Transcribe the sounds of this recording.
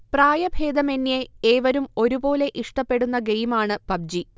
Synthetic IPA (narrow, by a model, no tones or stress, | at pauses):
praːjɐbʱe̞ːd̪ɐme̞nːjeeːʋɐɾumo̞ɾubo̞ːle̞ʔiʂʈɐpːe̞ɽunːɐɡejimaːɳɨpɐb̚d͡ʑi